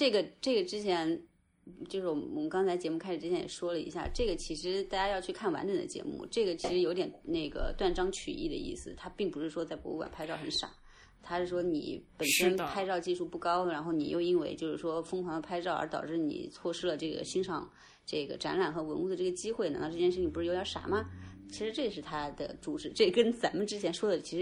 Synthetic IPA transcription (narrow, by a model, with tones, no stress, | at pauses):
ʈ͡ʂɤ˥˩ɡə˩ʈ͡ʂɤ˥˩ɡə˩ʈ͡ʂɻ̩˥t͡ɕʰjɛ˧˥n | t͡ɕjo˥˧ʊʂɻ̩˥˩wɔ˨˩mwɔ˨˩mə˦nkɑ˥ŋt͡sʰa˧˥ɪt͡ɕjɛ˧˥mu˥˩kʰa˥ɪʂɻ̩˨˩ɻ̩ʰ˥˩jɛ˧˥jɛ̰˨˩ʂwɔ˥lə˨ḭ˧˥ɕja̰˥˩ʈ͡ʂɤ˥˩ɡə˩t͡ɕʰi˧˥ʂɻ̩˧˥t̪a˥˩t͡ɕja˥jɑ˥˧ʊt͡ɕʰy˥˧kʰa˥˩nwa̰˧˥nʈ͡ʂə˨˩nd̪ə̰˧t͡ɕjɛ̰˧˥mṵ˥˧ʈ͡ʂɤ˥˩ɡə˩t͡ɕʰi˧˥ʂɻ̩˧˥jt̪jɛ˨˩nne˥˩ɡə̰˩t̪wa˥˩nʈ͡ʂɑ˥ŋt͡ɕʰy̰˨˩i˥˩d̪ə̰˩ḭ˥˩sɹ̩˨˩t̪ʰa˥pi˥˩ŋpu˧˥ʂɻ̩˥˩ʂwɔ˥t͡sa˥˩ɪkwɔ̰˧˥ṵ˥kwa̰˨˩npʰa˥ɪʈ͡ʂɑ˥˩ʊxə˧˥nʂa̰˨˩˦ | t̪ʰa˥ʂɻ̩˥˩ʂwɔ˥nḭ˨˩pə˨˩nʂə˥npʰa˥ɪʈ͡ʂɑ˥˧ʊt͡ɕi˥˧ʂu˥˧pu˥˩kɑ˥ʊɻa˧˥nxo˥˩ʊni˨˩jo˥˩ʊi˥nwe˥˩ɪt͡ɕjo˥˧ʊʂɻ̩˥˩ʂwɔ˥fɤ˥ŋkʰwɑ˧˥ŋd̪ə˧pʰa˥ɪʈ͡ʂɑ˥˩ə̰˞˧˥t̪ɑ˨˩ʊʈ͡ʂɻ̩˥˩nḭ˨˩t͡sʰwɔ˥˩ʂɻ̩˥lə˨ʈ͡ʂɤ˥˩ɡə̰˩ɕi˥ŋʂɑ˨˩ŋ | ʈ͡ʂɤ˥˩ɡə̰˩ʈ͡ʂa̰˧˥nla˨˩nxɤ˧˥wə˧˥nu˥˩d̪ə˩ʈ͡ʂɤ˥˩ɡə˩t͡ɕi˥xwe˥˩ɪna˧˥t̪ɑ˥˧ʈ͡ʂjɛ˥˧ʂ̩˥˩t͡ɕʰi˨˩pu˧˥ɻ̩˥˧o˧˥jə˧˥ʂa̰˨˩˦mɐ˧t͡ɕʰi˧˥ʂɻ̩˧˥ʈ͡ʂɤ˥˩ə˩ʂ̬ɻ̩˥˩t̪ʰa˥d̪ə̰˨ʈ͡ʂu˧˥ʈ͡ʂɻ̩˧˥ʈ͡ʂɤ˥˩kə˥nt͡sa˧˥nmə˨nʈ͡ʂɻ̩˥t͡ɕʰjɛ˧˥nʂwɔ˥d̪ə˨t͡ɕʰi˧˥ʂɻ̩˧